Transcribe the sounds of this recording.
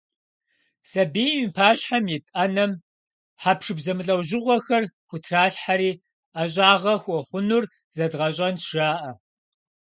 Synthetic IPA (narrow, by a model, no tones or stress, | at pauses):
sɐbeːjmipʰaːɕħamjɪtʼɐnɐm | ħapʰʂɨbzɐmɨɬʼɐwʑɪʁʷɔxɐrxʷʊtʰraːɬħaɾiː | aɕʼaːʁɐxʷɔχʷʊnʊr | zɐdʁɐɕʼɐnʂaːʔɐ